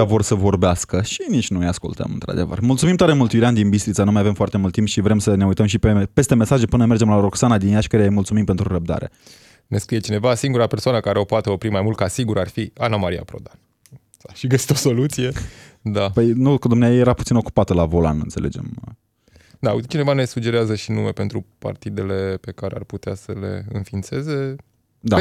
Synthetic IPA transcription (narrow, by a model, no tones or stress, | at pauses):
avo̞rsəvo̞rbeaskəʃinit͡ʃʲnujaskult̪ə̰mɨ̰nt̪ɾa̰d̪e̞və̰rmult̪sumimt̪oaɾemult̪juɾeand̪inbist̪ɾit̪sanumajave̞mfoart̪e̞mult̪ːimp̪ʃivɾe̞msəne̞ujt̪əmʃ̬ipe̞pe̞st̪e̞me̞saʒepɨnəme̞rd͡ʒemlaɾoksanad̪injaʃkəɾejajmult̪sumimpe̞nt̪ɾuɾəb̚d̪a̰ɾe̞̰ | neskɾijet͡ʃine̞vasiŋɡuɾapersoanəkaɾeo̞poat̪eo̞pɾimajmult̪̚kasiɡuɾarfianamaɾia̰pɾo̞̰d̪an | aʃiɡəsi̥t̪o̞so̞lut̪sije̞ | d̪apəjnud̪̚kəd̪umneajejeɾaput̪sino̞ku̥pat̪əlavo̞la̰nɨ̰nt̪se̞le̞̰d͡ʒe̞̰m | d̪at͡ʃine̞vane̞sud͡ʒe̞ɾeazəʃinume̞pe̞nt̪ɾupa̰rt̪id̪e̞le̞pe̞kaɾḛa̰rput̪easəle̞̰ɨnfint̪se̞ze̞ | d̪a